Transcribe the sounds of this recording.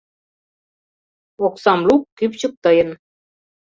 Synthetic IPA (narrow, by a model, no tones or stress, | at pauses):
oksɑmlukːypɕɤ̆k̚t̪ɤ̆jɤ̆n